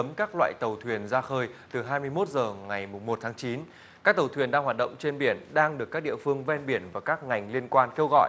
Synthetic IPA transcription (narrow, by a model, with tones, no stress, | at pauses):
ə˨˦mkaː˦˥k̚lwa̰ː˧˨jt̪ə˨˩wt̪ʰwi˨˩ənzaː˧xəː˧jt̪ɨ˨˩ɦaː˧jmɨ˧əjmo˦˥t̚zəː˨˩ŋa˨˩jmʊ˨˩ŋ͡mmo˨˩t̚t̪ʰaː˨˦ŋt͡ɕi˨˦n | kkaː˦˥k̚t̪ə˨˩wt̪ʰwi˨˩ənɗaː˧ŋwa˨˩t̚ɗə̰˧˨wŋ͡mt͡ɕe˧nɓi˧˩ənɗaː˧ŋɗɨ˨˩əkːaː˦˥k̚ɗḭ˧˨əfɨ˧əŋvɛ˧nɓi˧˩ənvaː˨˩kaː˦˥k̚ŋa˨˩jŋ̟li˧ənkwaː˧nke˧wɣɔ̰˧˨j